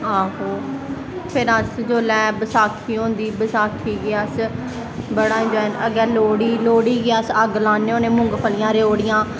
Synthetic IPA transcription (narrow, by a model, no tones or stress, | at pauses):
aːɦoː | pʰɪɾəsd͡ʒoːlɛːbəsaːkʰiːɦõːnd̪iːbəsaːkʰiːɡeəs | bəɽãːd͡ʒoɛnəɡɛːloːɽiːloːɽiːɡeasəɡlãːneːõːnẽːmʊ̃ŋɡpʰəlɪjãːɾeoːɽɪjãː